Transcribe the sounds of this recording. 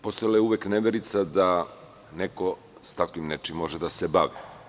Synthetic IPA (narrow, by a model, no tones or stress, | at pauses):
post̪ojilajeuʋekneʋeɾit̪sad̪a | neko | st̪akʋimnet͡ʃimːoʒed̪asebaʋi